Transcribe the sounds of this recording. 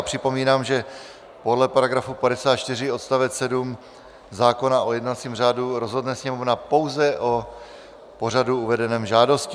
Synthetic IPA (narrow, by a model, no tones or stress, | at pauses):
pr̥ɪpo̞miːnaːmʒɛ | po̞dlɛpaɾaɡɾafupadɛsaːt̪̚t͡ʃt̪ɪr̝ɪo̞t̪st̪avɛsɛdum | zaːko̞naʔojɛdnat͡siːmr̝aːduɾozɦodnɛsɲɛmovnapo̞wzɛʔo | po̞r̝aduuvɛdɛnɛːmʒaːdo̞scɪ